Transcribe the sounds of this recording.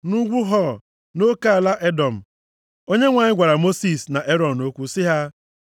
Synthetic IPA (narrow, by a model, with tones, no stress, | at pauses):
nu˦ɡʷu˦ɦɔ˦ | no˦ka˦a˨la˦ʔe˦dɔ˨m̩˨ | o˦ɲe˦ŋʷa˨ɲɪ˦ɡʷa˨ɾa˨mo˦si˨sna˨ʔe˦ɾɔ˨n̩˨o˦kʷu˦sɪ˦ɦa˦